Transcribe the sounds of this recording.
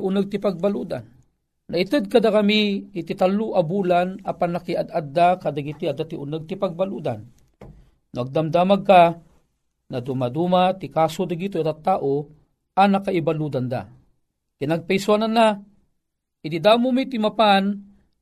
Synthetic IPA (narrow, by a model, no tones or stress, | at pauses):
ʔʊnəɡ̚t̪ipaɡ̚baluːd̪a̰nː | ait̪ɨd̪̚kad̪akamiːt̪it̪aluʔabulanapanːakiʔad̪ad̪ːakad̪aɡit̪iad̪at̪iʔunəɡ̚t̪ipaɡ̚baluːd̪a̰n | nʊaɡ̚d̪amd̪amaɡ̚ka | nad̪umad̪umat̪ikasod̪aɡit̪oad̪at̪aʔo | anakaibalud̪and̪a̰ | kinaɡ̚pɛjswanana | id̪id̪amumit̪imapan